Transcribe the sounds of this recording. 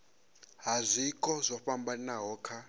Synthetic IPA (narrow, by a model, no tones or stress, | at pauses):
ɦazʷikʼɔzʷɔɸambaninaɦɔːkʰa